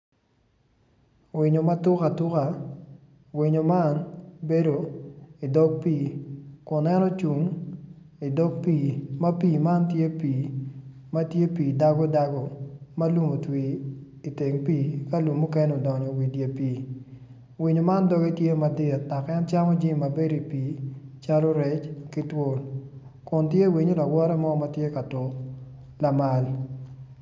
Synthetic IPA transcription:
wɪ˨ɲo˨ma˦tʊ˦ka˨tʊ˦ka˨ | wɪ˨ɲo˨ma˦nbe˦do˨i˨dɔ˦ɡ̚piː˦˨kʊ˨nɛ˦nɔ˦t͡ʃu˨ŋ | i˨dɔ˦ɡ̚pi˨ma˦piː˦˨ma˦ntje˦piː˨ | ma˦tje˦piː˨da˦ɡɔ˦da˦ɡɔ˨ma˦lu˦mo˨twi˨ | i˨te˨ŋpiː˦ka˦lu˨mːu˦kɛ˦no˨dɔ˨ɲɔ˨wi˨dje˨piː˨ | wi˨ɲo˨ma˦ndɔ˦ɡe˦tje˦ma˨dɪ˦˨t̚ta˨kɛ˦nt͡ʃa˦mɔ˦d͡ʒi˦mːa˨be˦di˨piː˨˦t͡ʃa˦lo˦ɾɛ˨˦t͡ʃkɪ˦two˦l | kʊ˨ntje˦wi˨ɲo˦la˨wɔ˦ɾɛ˦mɔ˦ma˦tje˦ka˨to˨ | la˨ma˨l

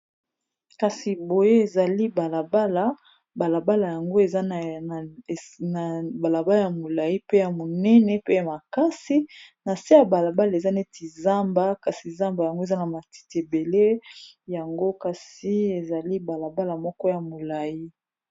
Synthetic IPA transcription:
ka˨si˨bo˨je˦e˨za˨li˦ba˨la˨ba˦la˨ | ba˨la˨ba˦la˨ja˨ŋɡo˦e˨za˦˨ | na˨ba˨la˨ba˦la˦ja˨mo˨la˨ji˦pe˦ja˨mo˨nɛ˦nɛ˨pe˦ja˨ma˨ka˦si˦na˨si˦ja˨ba˨la˨ba˦la˨e˨za˦ne˦ti˨za˦mba˦ka˨si˨za˦mba˨ja˨ŋɡo˦e˨za˦na˨ma˨ti̥˨te˨be˨le˦ja˨ŋɡo˦ka˨si˦e˨za˨li˦ba˨la˨ba˦la˨mɔ˦kɔ˦ja˨mo˨la˨ji˦

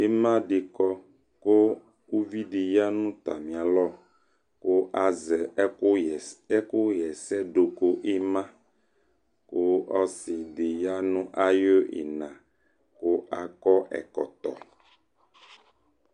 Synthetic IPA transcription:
e˦mã˦ɖe˨kɔ˦ | ko˦ | wo˦vi˦ɖe˨ja˦nũ˦t̪a̰˨mĩ˨a˨lɔ˦ | ko˦ʔa˨zɛ˨˦˨ | ɛ˦ko˦jɛ˨sɛ˦ɖo˨ko˦ʔe˦mã˦ | ko˦ɔ˦si˨ɖe˨ja˦nũ˦ʔa˦jo˦ʔḛ˨nã˨ | ko˦ʔa˨kɔ˦ʔɛ̰˨kɔ̰˨t̪ɔ̰˨

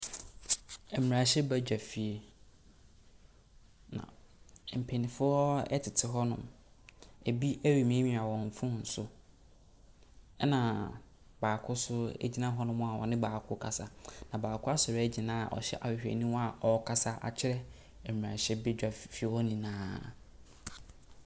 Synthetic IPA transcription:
ɛ˨m˨ɾa˨ɕɛ˦bɛ˦d͡ʑᶣa˨fi˨e˨ | nã̰˨m̩˨pʰɛ˨nĩ˨fʊ˦ɔ˦ɛ̰˦tʰɪ˨tʰɪ˨ɦɔ˦nʊ̰̃˦m | e˨bi˦ʔæ˦ɥi˨mĩ˨˦e˦mĩ˨a˨wɔ̃˨ɱ˨fʊ̃˦n̩˨sʊ˦ | ɛ˦nã˨ | baː˨kʰʊ˦sʊ˦ḛ˦d͡ʑi˦nã˦ɦɔ˦nʊ̃˦mʊ̃˦a˨wɔ̰˨nɪ̃˦baː˨kʰʊ˦kʰa˨sa˨nã˨baː˨kʰʊ˦a˦sɔ˨ɾæ˦d͡ʑi˨nã̰ː˦˨ʔɔ̰˨ɕɛ̰˦ʔa˨hɪ˨hᶣɛ̰˨nĩ˦wa˨ʔɔ˦kʰa˨sa˦ʔa̰˨t͡ɕʰɪ˦ɾɛ˦˨ | m˨ã˨ɕɛ˦bɛ˦d͡ʑᶣa˨fi˦e˦wɔ˦nĩ˨nãː˦

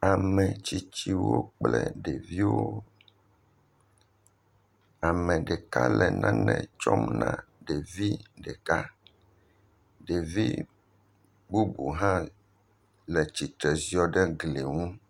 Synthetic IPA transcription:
a˨mɛ̃˨t͡ɕi˦t͡ɕi˦wo̰˦k͡plɛ˦ɖe˨vi˦wo˦ | a˨mɛ̃˨ɖɛ˨ka˦lɛ˨nã˦nɛ̰̃˨t͡ʃɔ˦mnã̰˦ɖe˨vi˦ɖɛ˨ka˦ | ɖe˨vi˦ | bu˦bu˨ɦã˦ | lɛ˨t͡ɕi˨t̪ɾɛ˨zi˨ɔ˨ɖɛ˦ɡle˨ŋũ˦

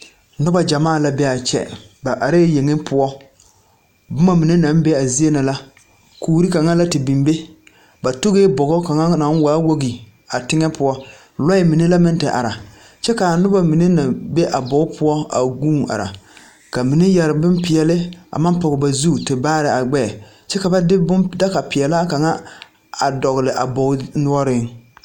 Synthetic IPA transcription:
nʊ˦ba˨d͡ʒa˨maː˦˨la˨˦bɛ˦a˨t͡ʃɛ̰˦ | ba˨ʔa˨ɾe˦je˨ŋɪ˦pʰʊ˦ɔ˦ | bʊ˦ma˨mi˨ne˦na˨˦mbe˦a˨zi˦e˦na˨la˦ | kuː˦ɾi˦ka˨ŋa˦la˦tɪ˨bi˨mbe˦ | ba˨to˦ɣe˦bɔ˨ɣɔ˦ka˨ŋa˦na˨˦n˦wa˨˦wo˦ɡi˨ | a˨tɪ˦ŋɛ˦pʊ˦ɔ˦ | lɔ˦ɪ˦mi˨ne˦la˦mɪ˦n˦tɪ˨ʔa̰˨ɾa˨ | t͡ʃɛ˦ka˨a˨nʊ˦ba˨mi˨ne˦na˨be˦ʔa˨bɔ˨ʊ˦pʰʊ˦ɔ˦a̰˨ɡuː˦˨ŋa̰˨ɾa̰˨ | ka˨mi˨ne˦jɛ˨ɾɪ˨bɪ˦mpɪ˨ɛ˨lɪ˦a̰˨ma˦pɔ˨ɣɪ˨ba˨zu˦˨tɪ˨baː˦ɾɪ˨a˨ɡ͡bɛ˦˨ | t͡ʃɛ˦ka˨ba˦dɪ˦bʊ˦mda˦ka˨pɪ˨ɛ˨la˦ka˨ŋa˦ | a˨dɔ˨ɣlɪ˨ʔa̰˨bɔ˨˦nʊ˦ɔ˦ɾɪ˦ŋ

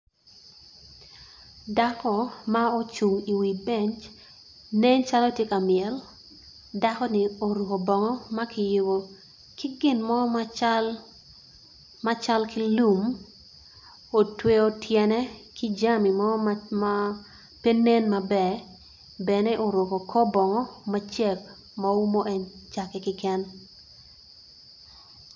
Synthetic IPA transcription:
da˦kɔ˦˨ma˦o˦t͡ʃu˨ŋi˨wi˨bɛ˨ɲt͡ʃ | ne˦ɲt͡ʃa˦lo˦tje˦ka˨mɪɛ˨l | da˦kɔ˦nɪ˦o˨ɾu˨ko˨bɔ˨ŋɔ˦ma˦kɪ˨jʊ˨ɡo˨ | kɪ˦ɡɪ˨nmɔ˦t͡ʃl | ma˦t͡ʃa˦lki˦lu˦m | o˨twe˦o˦tʰjɛ˦nɛ˦ki˦d͡ʒa˦mi˨mɔ˦ma˦ | pe˦ne˦nma˨bɛ˨ | bɛ˨nɛ˦ʔo˨ɾʊ˨ko˨kʰɔ˦bɔ˨ŋɔ˦ma˦t͡ʃɛ˦k | ma˦u˦mo˦ʔe˦ɲt͡ʃa˨kɛ˦kɪ˦kɛ˦n

